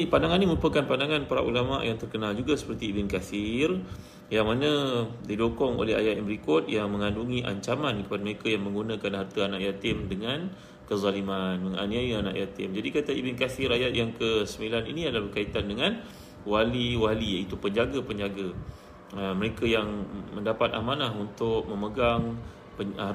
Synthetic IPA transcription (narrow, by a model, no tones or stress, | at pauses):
ipandaŋanːiməɾupəkanpandaŋãnpaɾa̰ʔṵlama̰ʔjaŋt̪ərkənald͡ʒuɡasə̥pərt̪iːbɪnkafir | jaŋmanədidokɔŋo̰lɛɦa̰jat̪jambəɾikɔt̪̚jaŋmə̃ŋãnduŋiʔa̰ɲt͡ʃamãnkə̥padaməɾekajaŋmə̃ŋɡunãkanɦart̪aanaʔjat̪ɪmdəŋãn | kəzalimanməŋa̰niaiana̰ʔjat̪ɪmd͡ʒadikat̪aibɪnkafɪɾajat̪̚jaŋkəsəmilanḭnĩadəlahbərkait̪andəŋan | waliwaliit̪upəɲd͡ʒaɡapəɲd͡ʒaɡa | əməɾekajaŋməndapat̪̚amanahunt̪ʊk̚mə̃məɡaŋ | pəa